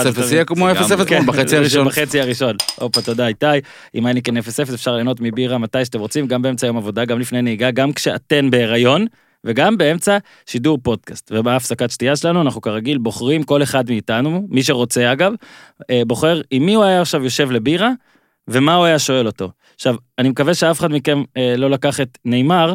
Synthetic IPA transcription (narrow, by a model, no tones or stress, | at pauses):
sefijekmoesefeskbaet͡siaʁʃbaχet͡siaʁiʃo̞nʔopat̪o̞d̪aitaj | imanikenefesefesefʃaʁleːno̞tmibiʁamatajʃate̞mʁo̞t͡simɡambee̞mt͡sajo̞mavo̞daɡamlifne̞jneiɡaɡamkʃea̰te̞nbeːʁajo̞n | ve̞ɡambe̞e̞mt͡sa | ʃiduʁpo̞d̚kastvebaafsakatʃtijaʃelanuanaχnukaʁaɡilbo̞χʁimko̞le̞χadmiːtanumiʃ̬e̞ʁo̞t͡se̞aɡavbo̞χe̞ʁimːiuajaːχʃavjo̞ʃe̞vle̞biʁa | ve̞mauajaʃo̞e̞lo̞to̞ | ʃavanimekave̞ʃeafeχadmikenlo̞lakaχetne̞jmaʁ